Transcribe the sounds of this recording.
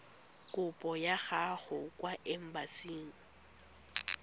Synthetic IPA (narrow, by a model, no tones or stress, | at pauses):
kʼʊpʼɔjaɣaχʊkʼwaʔɛm̩basiːŋ̩